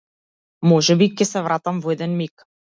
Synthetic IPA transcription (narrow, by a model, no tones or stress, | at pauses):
mɔʒɛbicɛsɛvɾat̪amvɔɛd̪ɛnmik